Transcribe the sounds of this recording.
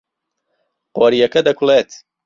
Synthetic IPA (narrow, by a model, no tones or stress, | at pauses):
qɔɾijɐkɐd̪ɐkʰulet̪